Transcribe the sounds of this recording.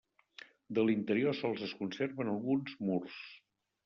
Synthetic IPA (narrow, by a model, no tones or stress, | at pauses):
d̪əlint̪əɾiosɔlˠzəskunserβənəlˠɣunzmurs